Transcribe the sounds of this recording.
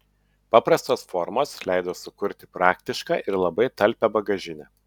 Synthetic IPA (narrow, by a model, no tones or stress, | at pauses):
pɑːpɾɐst̪oːsfɔɾmoːslʲæˑɪd̪oːsʊkʊɾʲt̪ʲɪ̥pɾɑːkt̪ʲɪʃkɑ̰ːʔɪɾlˠɐbɐɪt̪ɐlʲˑpʲɛbɐɡɐʒʲɪnʲɛː